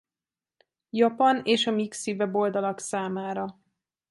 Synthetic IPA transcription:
jɒpɒneːʃɒmiksivɛbo̞ld̪ɒlɒksaːmaːɾɒ

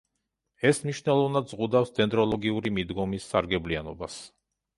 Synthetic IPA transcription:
ɛsmniʃnɛlˠɔvnad̪zʁud̪afsd̪ɛnd̪ɾɔlˠɔɡiuɾimid̪ɡɔmisːaɾɡɛblianɔbas

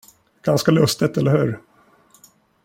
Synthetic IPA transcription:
ɡ̥anskalɵst̪ət̪ɛlːəɾhʉ̟ːɾ

